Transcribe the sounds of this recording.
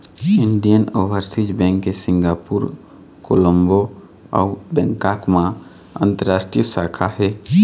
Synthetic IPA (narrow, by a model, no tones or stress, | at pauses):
ɪɳɖijənoʋəɾsid͡ʒbɛ̃ŋkːesĩŋɡaːpuɾ | koləmbo | ɔ̰ubɛ̃ŋkakmã | ə̰̃nt̪əɾaːsʈɾijəsakʰaɦɛ